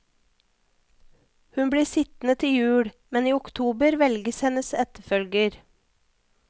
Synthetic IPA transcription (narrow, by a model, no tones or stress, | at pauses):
hʉnbɽiːsɪt̪n̩ət̪ʰɪjʉːɽ | mɛniːʊkt̪ʰuːbəɾʋɛlɡəshɛnəsɛt̪əfœlɡəɾ